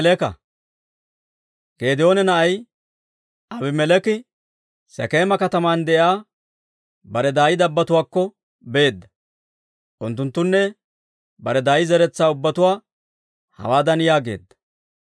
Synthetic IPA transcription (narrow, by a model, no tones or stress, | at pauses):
lɛkɐ̰ | ɡ̥eːd̪ɪo̞ːnɛnɐʔɐj | ʔɐbɪmɛlɛkɪ | sɛ̰keːmɐkɐt̪ɐmaːnd̪ɛʔjaː | bɐɾɛd̪aːjɪd̪ɐbːɐt̪ʊwaːkːɔ | beːd̪ːɐ | ʔʊnt̪ːʊnt̪ːʊnːɛ | bɐɾɛd̪aːjɪzɛɾɛt͡sːaːʊbːɐt̪ʊwaː | hɐ̰waːd̪ɐnjaːɡe̞̰ːd̪ːɐ̥